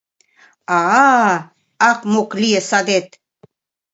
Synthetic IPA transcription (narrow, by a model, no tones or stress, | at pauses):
ɑ | ɑkmoklijesɑd̪et̪̚